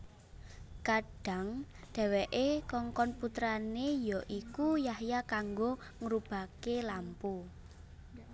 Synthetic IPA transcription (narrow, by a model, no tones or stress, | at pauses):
kaɖ̥a̤ŋɖ̪̥ɛ̤wɛʔekɔŋkɔnput̪ɾanejɔʔikujahjakaŋɡo | ŋəɾub̥a̤kelampu